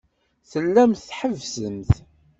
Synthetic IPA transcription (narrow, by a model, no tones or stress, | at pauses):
θəlːæmθħəvsəmθ